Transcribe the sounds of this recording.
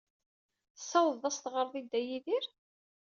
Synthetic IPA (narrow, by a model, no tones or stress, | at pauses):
θəsːɑwðˤɑst̪ʁəɾˤðˤid̪ːæjiðiɾ